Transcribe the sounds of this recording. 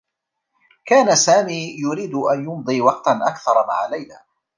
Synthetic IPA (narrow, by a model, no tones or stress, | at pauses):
kaːnasaːmiːjʊɾiːd̪ʔanjʊmd̪ˤiːwɑqt̪anʔakθɑɾˤma̰ʕalajlaː